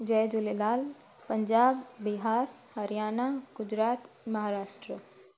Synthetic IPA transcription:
d͡ʒɐjd͡ʒulelaːl | pɐɲd͡ʒaːbːiɦaːɾ | hɐɾijaːnaɡ̥ʊd͡ʒɾaːt̪ | mɐɦaːɾaːʃʈɾə

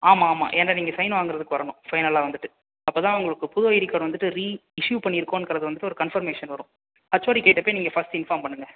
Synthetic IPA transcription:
aːmaːma̰ːʔɛnɾɐniːŋɡɐsɐɪnʋaːŋɡɪɾɐðɯkːɯʋɐɾɐnʊ̃fɐɪnɐlaːʋɐnd̪ɯʈːɯ | ɐpːoːt̪ãːʊŋɡɐɭɯkːɯpʊðʊʋɐjɪɾɪkːaːɽʋɐnd̪ɯʈːɯɾiːɪʂjuːpɐɳːiɪɾɯkːõɛnkːɐɾɐðɯʋɐnd̪ɯʈːɯɔɾɯkɐnfɐɾmeːʂɐnʋɐɾʊ̃ | ɐt͡ʃːoːɾikeːʈːɐpːoːjniːŋɡɐfɐsʈɪnfaːɾmpɐɳːɯŋɡɐ

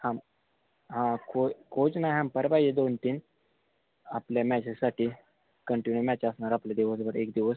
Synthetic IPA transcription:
ham | ɦãkʰokʰot͡ɕnajɦampəɾbajed̪ont̪iːn | a̰pljamɛt͡ɕesaʈʰiː | kəɳʈinjumɛt͡ɕəsɳaɾapljad̪iʋəs̬bəɾekd̪iʋəs

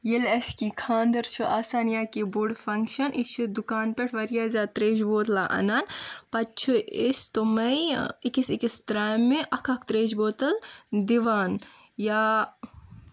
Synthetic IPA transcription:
jilɐskikʰaːnd̪ɐɾt͡ʃʰuʔaːsaːnjaːkibuɽfʰɐŋkʃɐnʔit͡ʃʰid̪ukaːnpeʈʰʋɐɾjaːzʲaːt̪ɾeːd͡ʒboːt̪laʔɐ̰naːnpɐt͡ʃʰuist̪omɐjikisikist̪ɾaːjmːeʔɐkʰɐkt̪ɾeːd͡ʒboːt̪ɐld̪iʋaːn | jaː

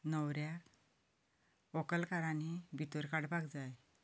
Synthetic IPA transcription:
nəwɾja | ɔkəlkaɾanibit̪uɾkaɽbakd͡zaj

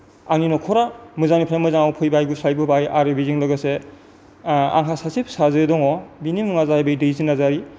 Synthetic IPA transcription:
aninɔkʰɔɾamɯzanipʰɾamɯzaŋawpʰɯjbajɡusajbɯbajaɾebiziŋlɐɡase | a̰ŋɦʰasasip̚sazɯdɔŋɔbinimuŋazaajbɯjdɯjzinazaɾi

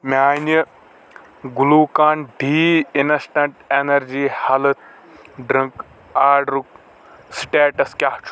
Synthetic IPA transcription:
maːnɐ | ɡuluːkaːɳɖiːinɐsʈɐɳʈenɐɾd͡ʒiːhɐlɨt̪̚ | ɖɾiŋk | aːɖɾuk̚ | sʈeːʈɐskʲaːht͡ʃ

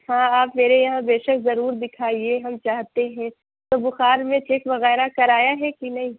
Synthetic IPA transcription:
hãːaːpmeːɾejɐɦãbeːʃɐkzɐɾuːɾd̪ɪkʰaːieɦɐmt͡ʃaːɦt̪eɦɛ̃ | t̪oːbʊxaːɾmẽt͡ʃeːkʋɐɣɛːɾakɐɾaːjaɦɛkinɐɦĩː

